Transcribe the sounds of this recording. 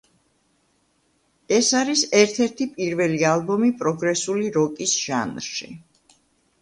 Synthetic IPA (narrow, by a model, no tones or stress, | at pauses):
ɛsaɾisɛɾt̪ʰɛɾt̪ʰipʼiɾvɛlialˠbɔmipʼɾɔɡɾɛsuliɾɔkʼisʒ̥a̰nɾʃḭ